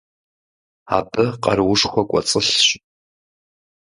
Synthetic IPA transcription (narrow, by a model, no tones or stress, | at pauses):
a̰bɨqɐ̰ɾwʊʂxʷɔkʷʼɔt͡sʼɨɬɕʼ